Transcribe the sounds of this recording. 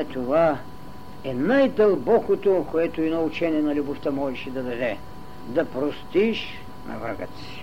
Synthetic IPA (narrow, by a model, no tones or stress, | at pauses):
t̪ova | ɛnajd̪ɐlˠbɔkot̪okoɛt̪oinɔʊt͡ʃɛnʲiɛnɐlʲʊboft̪əmɔʒɛʃɛd̪ɐd̪ɐd̪ɛ | d̪ɐpɾost̪iʃ | nʔɐ̰vɾə̰ɡə̰t̪si̥